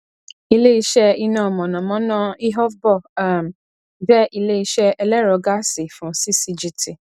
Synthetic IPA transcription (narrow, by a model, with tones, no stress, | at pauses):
i˧le˦i˧ʃɛ˦i˧nã˦˨mɔ̃˨nã˨mɔ̃˨˦nã˦i˦ɦɔ˦fbɔ˦˨a˨m˨ | bɛ˦ʔi˧le˦i˧ʃɛ˦ɛ˧lɛ˦ɾɔ˧ɡa˦si˨fũ˨˦si˦si˧d͡ʒi˦ti˨